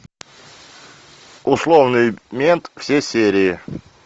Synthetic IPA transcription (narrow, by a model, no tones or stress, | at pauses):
ʊslˠovnɨjmʲent̪fsʲesʲeɾʲɪjɪ